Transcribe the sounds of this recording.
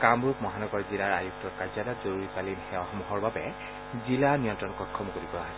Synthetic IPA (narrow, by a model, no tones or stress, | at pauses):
kamɹukmɔɦanɔɡɔɹzilaɹajuk̚tɔɹkaɹzadatzoɹuɹipalinxɛwaxɔmuɦɔɹbabɛ̰ | zilanijɔntɹɔnkɔtkʰːɔmkoɹibɔaɦɔ